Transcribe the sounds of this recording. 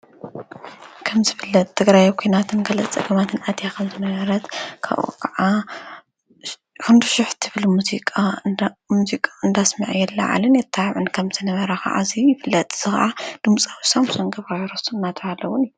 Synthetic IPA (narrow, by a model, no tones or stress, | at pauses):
kʰɐmzɨfɨlːɐt̪ʼt̪ʰːɨɡɾajkʰʷinat̪ʰɨnɡɐlɐt͡sʼɐ̰ɡɐmat̪ʰɨnʔad̪jakʰɐmzɨnɐβɐɾɐt̪kʰa̰βṵkʰɐʕa | kʰɨnd̪uʃɪħt̪ʰɨβɨlmuzikʼamuzikʼaɨnd̪asmɐʕjɛlːɐ̰ʕa̰lɨnjɛt̪ʰːaʕɨnkʰɐmzʰɨnɐβɐɾɐxa̰ʔa̰zijɪfɨlːɐt̪ʼz̥ɨxʔad̪̥ɨmt͡sʼawsamusonɡɐβaɾɐsuɨnːat̪ʰɐhalːɐwunijːu